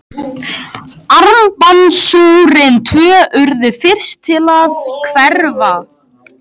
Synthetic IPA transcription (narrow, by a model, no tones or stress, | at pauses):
aɾmpansuːɾɪnt̪ʰvœːʔʏɾðɪfɪr̥st̪ʰɪlaðkʰvɛɾva